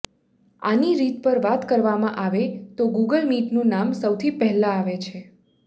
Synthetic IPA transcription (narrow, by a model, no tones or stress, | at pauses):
a̰niɾit̪pəɾʋat̪kəɾʋamãʔaʋet̪oɡuɡəlmiʈnũnamsəwt̪ʰipɛɦlãːʋet͡ʃʰe